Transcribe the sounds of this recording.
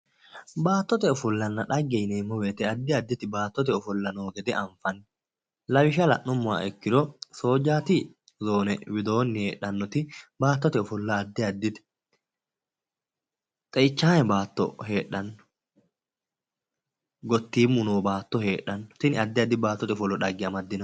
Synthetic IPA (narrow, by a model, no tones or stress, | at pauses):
baːt̪ːɔt̪ɛɔfɔlːɐnːɐᶑɐɡːɛjneːmːɔweːt̪ɛɐd̪ːɪɐd̪ːɪt̪ɪbaːt̪ːɔt̪ɛɔfɔlːɐnoːɡɛd̪ɛʔɐɱfɐnː | lɐwɪʃɐlɐ̰ʔːʊmːʊwa̰ːɛkːɪd̪ɔso̞ːd͡ʒːaːt̪ɪ | zo̞ːnɛwɪd̪o̞ːnːɪheːɗːɐnːɔt̪ɪbaːt̪ːɔt̪ɛɔfɔlːɐːd̪ːɪɐd̪ːɪt̪ɛ̥ | t̪ʼɛɪt͡ʃːaːjɛbaːt̪ːɔ̰he̞ːɗːɐnːɔ | ɡɔt̪ːiːmːʊnoːbaːt̪ːɔheːᶑːɐnːɔ̥t̪ɪnɪɐd̪ːɪɐd̪ːɪbaːt̪ːɔt̪ɛɔfɔlːɔᶑɐɡːɪɐmɐd̪ːɪn